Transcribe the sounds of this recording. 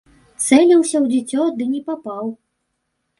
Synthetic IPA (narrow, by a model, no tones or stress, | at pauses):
t̪sɛlʲiwsʲɐwd͡zʲit͡sʲɔd̪ɨnʲɛpapaw